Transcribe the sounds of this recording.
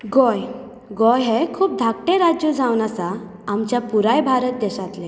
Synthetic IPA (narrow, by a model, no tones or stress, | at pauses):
ɡɔj | ɡɔjɦekʰuːp̚d̪ʱakʈẽɾad͡ʑjud͡zawnasaː | mt͡ɕjapuɾajbʱaɾət̪̚d̪ɛɕat̪lẽ